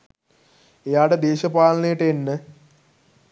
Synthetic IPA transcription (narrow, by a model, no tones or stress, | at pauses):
ejaːɽed̪eːɕɐpaːlɐnejiʈːenːɨ